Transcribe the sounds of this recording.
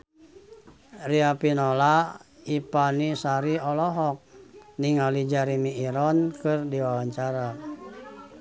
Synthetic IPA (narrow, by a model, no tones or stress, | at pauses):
riapinolaipanisaɾiɔlɔɦɔk̚niŋalid͡ʒaɾimiːɾɔnkɨrdiwawaɲt͡ʃaɾa